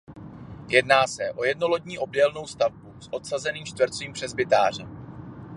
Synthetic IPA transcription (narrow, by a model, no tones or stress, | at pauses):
jɛdnaːsɛʔo̞jɛdno̞lodɲiːʔo̞b̚dɛlno̞wst̪avbusʔo̞t̪sazɛniːmt͡ʃt̪vɾ̩t̪t͡siːmpr̥ɛzbɪt̪aːr̝ɛ